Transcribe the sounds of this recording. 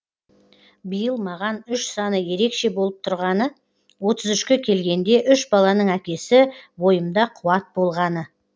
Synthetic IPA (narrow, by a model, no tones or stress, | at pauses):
bəjəlˠmɑʁɑnʏʃsɑnəje̞ɾe̞kʃe̞bo̞lˠəp̚t̪ʰʊɾʁɑnə | wo̞t̪əzʏʃkʲe̞kʲʰe̞lɡʲe̞nd̪e̞ʔʏʃbɑlˠɑnəɴækʲe̞sɪwo̞jəmd̪ɑqʰʊwɑt̪̚bo̞lˠʁɑnə